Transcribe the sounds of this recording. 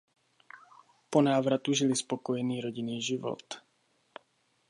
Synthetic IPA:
pɔnaːʋɾat̪uʒilispɔkɔjɛniːɾɔɟiniːʒiʋɔ̰t̪

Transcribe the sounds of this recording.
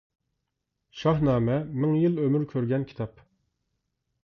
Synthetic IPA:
ʃɑɦnɑːmɛmɪŋjilˠømyɾkʲʰøɾɡʲɛnkʲʰi̥t̪ʰɑp

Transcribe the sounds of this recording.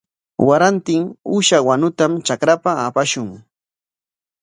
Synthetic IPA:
waɾant̪ɪŋʊʃawanʊt̪amt͡ʃakɾapaːpaʃʊŋ

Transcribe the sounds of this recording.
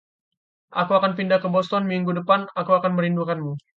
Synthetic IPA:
ʔakuakanpindakːəbɔst̪ɔnmiŋɡudəpanakuakanməɾindukanmu

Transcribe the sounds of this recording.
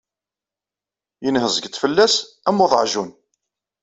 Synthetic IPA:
jənhəzɡət̪fəlːæs | æmʊðˤʕʒun

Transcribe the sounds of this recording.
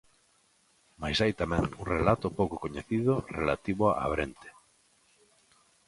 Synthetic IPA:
majsajt̪amɛ̃ŋuŋrelat̪ʊpowkokoɲeθiðʊrelat̪iβʊaa̰βɾent̪e̥

